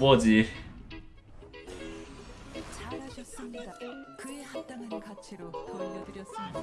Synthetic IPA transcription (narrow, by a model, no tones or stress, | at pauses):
bʌd͡ʑi | t͡ɕaɾɦaɕʰʌs͈ɯmɲidakɯehat͈anɯnkat͡ɕʰiɾokoʌdɯɾjʌs͈ɯmida